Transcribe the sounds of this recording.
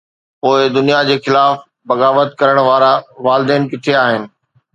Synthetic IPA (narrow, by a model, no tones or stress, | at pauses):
poːɪd̪ʊnijad͡ʑeːxɪlaːf | bɐɣaːʋət̪̚kɐɾəɽ̃ʋaːɾãʋaːlɪd̪ɛːnkɪʈʰeaːɦɪnɪ̆